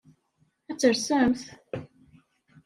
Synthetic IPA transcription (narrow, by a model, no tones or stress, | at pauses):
æt͡sːəɾsæmθ